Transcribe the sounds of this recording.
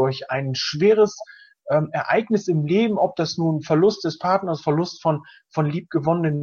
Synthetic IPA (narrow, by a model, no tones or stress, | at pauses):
ʊɐçaɪnʃv̥eːʁ̞əs | ʔɛːmɛɐʔa̰ɪɡnɪsɪmleːbm̩ɔp̚d̥asnuːnfɛɐlʊst̚d̥ɛspʰaɐtnɐsfɛɐlʊstfɔn | fɔnliːp̚ɡ̥əvɔnənən